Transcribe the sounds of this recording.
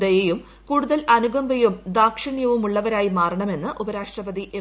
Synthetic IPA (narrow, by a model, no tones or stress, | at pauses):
d̪ɐjejum | kuːɽuðɐlɐnuɡɐmbɐjumd̪aːkʂɐɳjɐʋumuɭːɐʋɐɾaːjimaːrɐɳɐme̞nːɨʔubɐɾaːʂʈrɐbɐðiʔe